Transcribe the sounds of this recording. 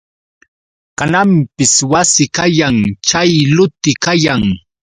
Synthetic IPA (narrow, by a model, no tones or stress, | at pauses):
kanampɪswasɪkajaŋt͡ʃajlʊt̪ɪkajaŋ